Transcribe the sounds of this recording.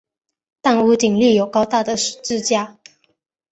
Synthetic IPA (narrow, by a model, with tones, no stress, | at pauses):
t̪a˥˧nu˥˧t̪i˨˩ŋli˥˨jo˨˩ʊkɑ˥ʊt̪a˥˩d̪ə˩ʂ̩˨˩ʈ͡ʂɹ̩˥˧t͡ɕja˥˧